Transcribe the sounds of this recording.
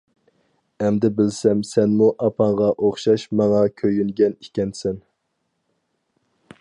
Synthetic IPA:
ɛmd̪ɪbɪlsɛmsɛnmuʔɑpʰɑɴʁɑʔoχʃɑʃmɑŋɑkʲʰøjynɡʲɛni̥kʲɛnsɛn

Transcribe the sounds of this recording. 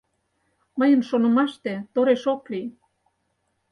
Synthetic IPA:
mə̆jənʃonɤ̆mɑʃt̪ĕt̪oɾeʃokli

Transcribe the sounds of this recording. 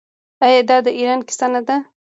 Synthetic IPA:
ajɑd̪ɑd̪əʔiɾɑnkɪ̥sanad̪a

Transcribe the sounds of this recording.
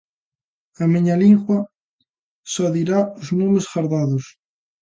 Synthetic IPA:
ameɲaliŋɣwɐ | sɔðiɾaʊznumɪsxaɾðaðʊs

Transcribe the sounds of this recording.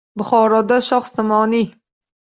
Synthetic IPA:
bʊχɒːɾɒd̪aʃɒχsamɒːni

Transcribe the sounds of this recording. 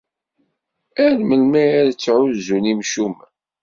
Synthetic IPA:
æɾməlmææɾt͡sːʕʊzunimʃum

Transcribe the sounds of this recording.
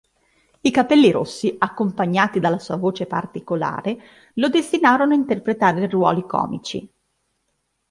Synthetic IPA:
ikapɛlːiɾo̰sːiakːompaɲːaːt̪id̪alːasuːavoːt͡ʃepa̰rt̪ikola̰ːɾe | lod̪est̪inaːɾonoaint̪erpɾet̪aːɾerwɔ̰ːlikɔ̰ːmit͡ʃḭ

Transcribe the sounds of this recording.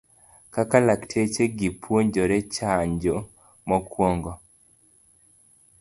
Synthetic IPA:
kakalaktʰet͡ʃeɡipʰwoɲd͡ʒoɾɛt͡ʃaɲd͡ʒo | mɔkwɔŋɡɔ

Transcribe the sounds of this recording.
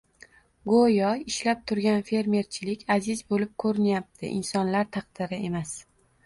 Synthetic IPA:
ɡojɒɪʃlap̚t̪ʰʊɾɡʲanfe̞ɾme̞ɾt͡ʃʰɪlɪkʲʰazɪzbolɪp̚kʰɵɾɪnjap̚t̪ʰɪ̰ʔɪ̰nsɒnlaɾt̪ʰɑqd̪̥ɪɾɪe̞mas

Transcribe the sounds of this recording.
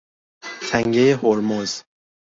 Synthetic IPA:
t̪ʰæŋɡejehoɾmoz̥

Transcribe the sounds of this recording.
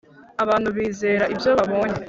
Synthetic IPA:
aβaːn̥huβiːze̞ːɾaʔibjo̞βaβo̞ːɲe

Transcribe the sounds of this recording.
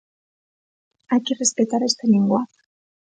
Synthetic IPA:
akirespet̪aɾest̪eniŋɡoa

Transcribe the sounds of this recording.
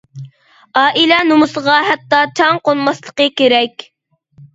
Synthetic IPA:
ɑːʔilɛnumʊsəʁɑɦæt̪ːɑt͡ʃʰɑŋqonmɑslˠəqəkʲeɾɛkʲ

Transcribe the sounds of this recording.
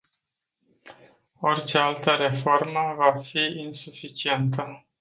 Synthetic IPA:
o̞rt͡ʃe̞alt̪əɾe̞fo̞rməvafiinsufit͡ʃie̞nt̪ə

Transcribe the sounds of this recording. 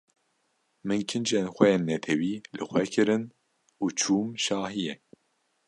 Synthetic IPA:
mɨnkʰɨnd͡ʒenxʷɛjeːnːɛt̪ʰɛwiːlɨxʷwɛkʰɨɾɨn | uːt͡ʃʰuːmʃɑːhijɛ

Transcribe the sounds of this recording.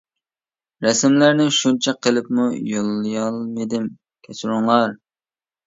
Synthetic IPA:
ɾɛsɪmlæɾnɪʃunt͡ʃʰɛqʰəlˠɪpmujolˠːɨjɑlˠmed̪ɪm | kʲʰɛt͡ʃɾʊŋlˠɑɾ

